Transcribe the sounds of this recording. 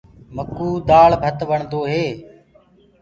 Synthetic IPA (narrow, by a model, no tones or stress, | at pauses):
məkuːd̪aːɭbʱət̪ʋəɳd̪oːɦeː